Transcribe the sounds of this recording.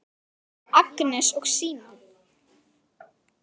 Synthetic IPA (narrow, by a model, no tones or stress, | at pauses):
aknɛsɔɣsiːna